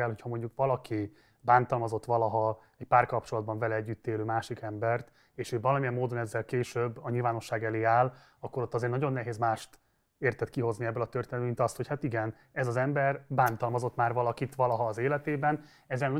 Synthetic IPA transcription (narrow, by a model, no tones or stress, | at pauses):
ɛlɦocʰhɒmo̞ɲɟukvɒlɒki | baːnt̪ɒlmɒzo̞t̪ːʋɒlɒɦɒ | ɛcpaːrkɒp̚t͡ʃo̞lɒd̪̚bɒɱvɛlɛɛɟːyt̪ːeːløːmaːʃikɛmbɛrt̪ | eːʃøːvɒlɒmiɛmːoːd̪o̞nɛzːɛlkeːʃøbːɒɲilvaːno̞ʃːaːɡɛleːaːl | ɒkːo̞ɾo̞t̪ːɒzeːrnɒɟo̞nːɛɦeːzmaːʃt̪ | eːrt̪ɛt̪kiɦo̞zniɛbːølɒt̪ørt̪eːnɛd̪bmint̪ɒst̪ho̞chat̪iɡɛn | ɛzɒzɛmbɛrbaːnt̪ɒlmɒzo̞t̪ːmaːrvɒlɒkit̪ʋɒlɒɦɒːzeːlɛt̪eːbɛn | ɛzːɛlnɒ